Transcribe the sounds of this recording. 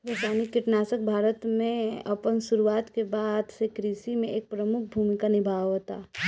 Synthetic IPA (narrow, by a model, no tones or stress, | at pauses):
ɾoːsaːnikɪʈnaːsək̚bʱaːɾət̪mẽɐpənsʊɾuaːt̪kebaːd̪ʱsekɾiːʃimẽʔeːk̚pɾəmʊk̚ʰbʱuːmikanɪbʱaːʋɦot̪a̰ː